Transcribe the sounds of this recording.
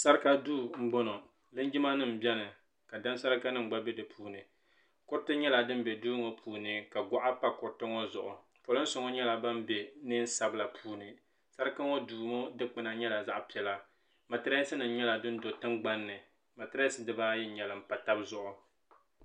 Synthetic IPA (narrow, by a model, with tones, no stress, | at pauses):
sa˦ɾɨ˦ka˦du˦ŋ͡m̩˦ɡ͡bo˦no˨ | lɨ˦n˦d͡ʒi˦ma˦nɨ˦˨m̩˨bɛ˦nɨ˨ | ka˨da˦n˦sa˦ɾɨ˦ka˦nɨ˦ŋ͡m̩˨ɡ͡ba˦bɛ˦dɨ˨pʰuː˦nɨ˨ | kʊ˦ɾtɨ˦ɲɛ˦la˨dɨ˦m̩˦be˨du˦ŋo˦pʰuː˨nɨ˨ka˨ɡʷa˦ʔa˦pa˦kʊ˨ɾtɨ˦ŋɔ˦zʊ˨ʔʊ˨ | po˨lʊ˦n̩˦sʊ˨ŋɔ˦ɲɛ˦la˨ba˦m˦be˨nɨ˦n̩˦sa˦bla˨pʰuː˦nɨ˨ | sa˦ɾɨ˦ka˦ŋo˦duː˨mo˦dɨ˦k͡pɨ˦na˨ɲɛ˦la˨za˦ʔpi˨ɛ˨la˦ | ma˨tɨ˦ɾa˦sɨ˦nɨ˨m̩˦ɲɛ˦la˨dɨ˦n˦do˨tɨ˦ŋɡ͡ba˦nːɨ˨ | ma˨tɨ˦ɾa˦sɨ˦dɨ˦baː˦jɛ˦ɲɛ˨lɨ˨m̩˨pa˨ta˦bzʊ˨ʔʊ˨